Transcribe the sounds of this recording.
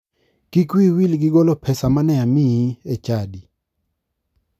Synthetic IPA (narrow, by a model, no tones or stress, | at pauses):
kikwiwilɡɪɡɔlɔpʰɛsamanɛamiiet͡ʃadi